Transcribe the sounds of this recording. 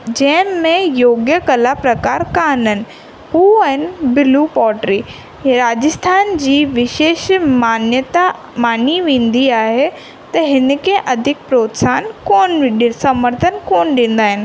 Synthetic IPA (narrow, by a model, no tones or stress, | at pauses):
d͡ʑɐ̃ɦɪ̃mẽjoːɡjəkɐlapɾɐkaːɾkanənɪ̆ | ɦuːɐɦɪnɪ̆bɪlupɔːʈɾiː | ɾaːd͡ʑɪst̪ʰaːnd͡ʑiːʋɪʃeːʃmaːnjət̪a | maːniʋẽːn̆d̪iaːɦe | t̪ɐɦɪn̆kʰẽʔɐd̪ʱɪk̚pɾoːt̪saːnkoːnɗsɐməɾt̪ʰənkoːnɗĩːn̆d̪aːɦɪnɪ̆